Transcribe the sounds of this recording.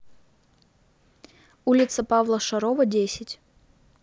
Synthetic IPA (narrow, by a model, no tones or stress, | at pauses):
ulʲɪt̪səpavlˠəʂɐɾovədʲesʲɪtʲ